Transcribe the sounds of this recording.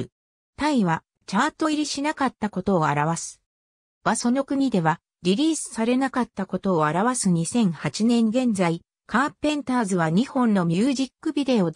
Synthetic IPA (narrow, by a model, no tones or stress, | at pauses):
t̪aiβa | t͡ɕat̪ːo̞iɾʲiɕinakat̪ːako̞t̪o̞ːaɾaβ̞asɨ̥ | βaso̞no̞kɯ̟ɲ̟id̪e̞βa | ɾʲiɾʲiːsɨ̥saɾe̞nakat̪ːako̞t̪o̞ːaɾaβasɨɲ̟isẽ̞ɰ̃hat͡ɕinẽ̞ŋɡẽ̞nd͡zai | kaːpẽ̞nt̪aːzɨβaɲ̟ihõ̞nːo̞mʲɯːʑikːɯ̟bʲid̪e̞o